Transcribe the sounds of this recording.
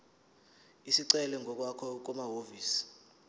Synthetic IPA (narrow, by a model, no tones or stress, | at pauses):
isiǀɛlɛŋʱɔk̬wakʰɔk̬ɔmaɦoviːsi̥